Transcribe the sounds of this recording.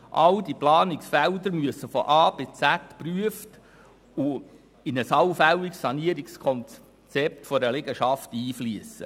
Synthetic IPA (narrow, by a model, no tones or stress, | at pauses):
ʔɑldiplɑːniksfældəɾmyəsəfɔʔɑːb̥et͡sætpryəft | ʊ | ɪnəsɑwfæliksɑniəɾikskʰɔnt͡s | t͡sɛp̚tfɔɾəlɛɡəʃɑftiːfliəsə̰